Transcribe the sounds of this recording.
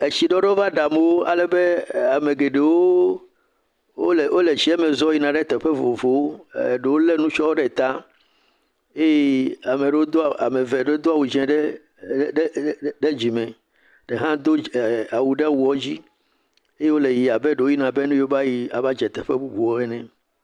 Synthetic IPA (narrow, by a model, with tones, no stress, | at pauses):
e˨t͡ɕi˨ɖɔ˦ɖɛ˦o˦va˦ɖa˨me˦wo˦a̰˨lɛ˨be˦a˨me˨ɡe˨ɖe˨wo˦ | o˦lwʔo˦le˨d͡ʑi˦ɛ˦mẽ˨zɔ˦ji˦nã˨ɖɛ˦t̪ɛ˨ɸɛ˦vo˨vo˨wo˦˨ɖe˨wo˦le˦nũ˦t͡ʃɔ˦wo˦ɖɛ˦˨t̪a˦ | e˦je˦a˨me˨ɖe˨˦wo˦d̪o˦˨a̰˨me˨vɛ˨ɖe˦o˦d̪o˦a˨wu˨d͡ʒɛ̃˨ɖɛ˦ | ɖe˦d͡ʑi˨mɛ̃˨ | ɖ̥e˨ɦã˦d̪o˦a˨wu˨ɖɛ˦wu˨˦ɔ˦d͡ʑi˦ | e˦je˦wo˦le˨ji˨a˨be˦ɖe˨wo˦i˦nã˨be˦nũ˦jo˦ba˦ji˦a˨va˦d͡ʒɛ˨t̪ɛ˨ɸɛ˦bu˦bu˨wo˦ɛ˦nɛ̃˨